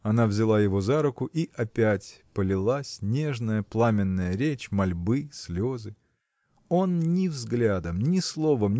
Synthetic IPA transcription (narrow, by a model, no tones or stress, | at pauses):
ɐnavzʲɪlˠajɪvo̞zaɾʊkʊʔiʔɐpʲætʲpəlʲɪlˠasʲnʲe̞ʐnəjəplˠamʲɪnːəjəɾʲet͡ɕmɐlʲbɨsʲlʲo̞zɨ | o̞nnʲɪvzɡlʲad̪əmnʲɪslˠo̞vəmʲ